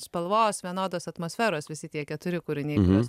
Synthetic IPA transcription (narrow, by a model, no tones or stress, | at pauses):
spɐlˠʋoːsʋʲiɛnoːd̪oːsɐt̪moːsʲfʲæːɾoːsʋʲɪsʲɪt̪ʲiɛkʲɛt̪ʊɾʲɪkʊɾʲɪnʲeːoːs